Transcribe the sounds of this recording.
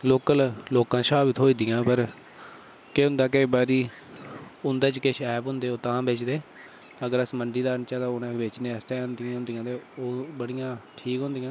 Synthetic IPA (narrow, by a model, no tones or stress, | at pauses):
loːkəlloːkãːʃaːbɪt̪ʰoːiːd̪ɪjãːpəɾ | keʊ̃nd̪aːk̬əiːbaːɾiː | ʊnd̪aːt͡ʃkeʃɛːpɦʊ̃nd̪eːoːt̪ãːbeːt͡ʃd̪eː | əɡəɾəsməɳɖiːd̪aːəɳt͡ʃaːt̪ãːʊnãːbeːt͡ʃnẽːɛst̪ɛ̃ːãːnd̪ɪjãːʊnd̪ijãːt̪eːoːbəɽɪjãːʈʰiːkɦõnd̪ɪjãː